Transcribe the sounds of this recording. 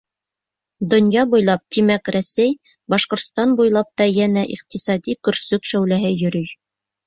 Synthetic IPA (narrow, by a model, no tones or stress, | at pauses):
d̪ŏnjɑbujlˠɑp̚t̪imækɾæsæj | bɑʃqŏɾt̪st̪ɑnbujlˠɑp̚t̪ɑjænæʔiq̚t̪isɑd̪ikɵ̆ɾsɵkʃæwlæɦɘjɵ̆ɾɵj